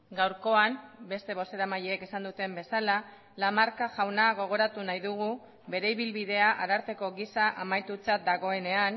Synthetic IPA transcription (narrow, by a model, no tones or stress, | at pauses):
ɡawɾko̞ambe̞st̪e̞β̞o̞se̞ɾamaʎeːke̞sand̪ut̪e̞mbe̞sala | lamaɾkaʝawnaɣo̞ɣ̞o̞ɾat̪unajðuɣ̞u | βe̞ɾe̞iβilβiðe̞aʔaɾaɾt̪e̞ko̞ɣisaʔamajt̪ut͡sat̪̚d̪aɣ̞o̞e̞ne̞an